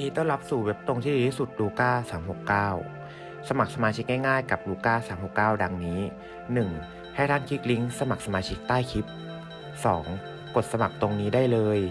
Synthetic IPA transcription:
niː˦˥t̪ɔ˥˩ŋla˦˥p̚su˨˩we˦˥p̚t̪o˧ŋt̪ʰiː˥˩i˨˩i˥˩su˨˩t̪̚ɾuː˧kaː˥˩saː˩˦mho˨˩kːaː˥˩w | sa˧ma˨˩k̚sa˧maː˧t͡ɕʰi˦˥k̚ŋa˥˩jŋaː˥˩jka˨˩p̚ɾuː˧kaː˥˩saː˩˦mho˨˩kːaː˥˩wda˧ŋniː˦˥ | nɯ˨˩ŋ | ha˥˩jt̪ʰa˥˩nkʰi˦˥k̚li˦˥ŋsa˧ma˨˩k̚sa˧maː˧t͡ɕʰi˦˥k̚t̪aː˥˩jkʰi˦˥p̚ | sɔː˩˦ŋ | ko˨˩t̪̚sa˧ma˨˩k̚t̪o˧ŋniː˦˥daː˥˩jlɤː˧j

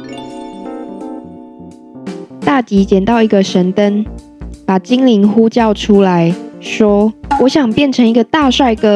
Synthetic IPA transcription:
t̪a˥˩t͡ɕi˨˥t͡ɕjɛ˨˩nt̪ɑ˥˩ʊi˧˦˥ɡə˨ʂə˨˦nt̪ə˦n | pa˨˩t͡ɕi˦˥ŋli˧˥ŋxu˦˥t͡ɕjɑ˥˨ʊʈ͡ʂʰu˦la˨˦ɪʂwɔ˥wɔ˨˦ɕjɑ˨˩ŋpjɛ˥˨nʈ͡ʂʰə˧˦ŋi˧˥ɡə˧t̪a˥˧˨ʂwa˥˩ɪkɤ˦

